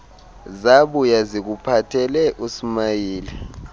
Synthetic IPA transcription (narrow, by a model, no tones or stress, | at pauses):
zaɓujazik̬upʰatʰɛlɛʔusimajiːlɛ